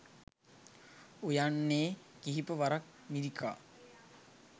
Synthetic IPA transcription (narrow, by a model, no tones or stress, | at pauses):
ujanːeː | kiɦipəʋaɾak̚miɾikʰa̰ː